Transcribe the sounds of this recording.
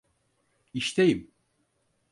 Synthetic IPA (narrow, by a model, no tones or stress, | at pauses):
iʃt̪ʰejim